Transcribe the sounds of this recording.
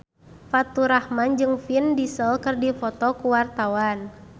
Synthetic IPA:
fat̪uɾahmand͡ʒɨŋfindisəlkɨrdifɔt̪ɔkuwart̪awan

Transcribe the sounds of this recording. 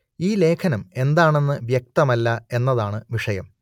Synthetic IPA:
iːle̞ːkʰɐnɐme̞nd̪aːɳe̞nːɨʋjɐk̚t̪ɐmɐlːɐe̞nːɐðaːɳɨʋiʂɐjɐm

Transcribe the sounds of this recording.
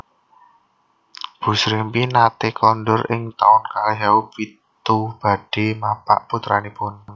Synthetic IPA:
b̥ṳsɾimpinat̪ekɔndʊɾɪŋt̪a̰ʊnkalɦaupit̪ub̥a̤ɖ̥e̤mapa̰ʔput̪ɾanipʊn

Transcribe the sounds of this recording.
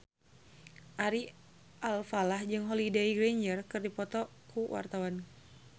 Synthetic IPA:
ʔaɾi | ʔalfalahd͡ʒɨŋɦɔlidejɡɾeɲd͡ʒərkɨrdipɔt̪ɔ | kuwa̰rt̪awan

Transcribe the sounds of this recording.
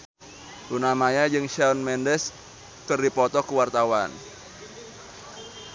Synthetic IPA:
unamajad͡ʒɨŋʃaɔnmɛndɛs | kɨrdipɔt̪ɔkəwart̪awan

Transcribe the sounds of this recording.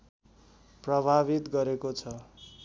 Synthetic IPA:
prʌbʱaβit̪ɡʌɾekot͡sʰʌ

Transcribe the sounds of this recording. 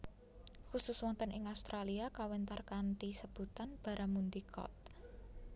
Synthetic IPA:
xusʊswɔnt̪ənɪŋaust̪ɾʔaliakawɛnt̪arkant̪isəb̥ṳt̪anb̥a̤ɾʔamund̪ikʰɔ̰t̪̚

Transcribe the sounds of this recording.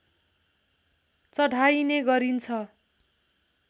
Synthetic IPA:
t͡sʌɽʱajneɡʌɾint͡sʰʌ

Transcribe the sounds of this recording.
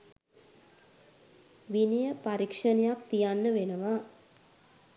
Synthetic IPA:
ʋinijəpaɾikʂənejakt̪ijanːəʋenəʋa

